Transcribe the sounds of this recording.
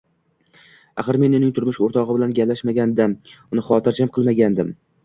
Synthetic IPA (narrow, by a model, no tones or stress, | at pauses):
a̰χɨɾme̞nʊnɪŋt̪ʰʊɾmɪʃoɾt̪ʰɒʁɨbɪlanɡʲaplaʃmaɡʲand̪amʊnɪχɒt̪ɪɾd͡ʒʰamqʰɨlˠmaɡʲand̪ɪm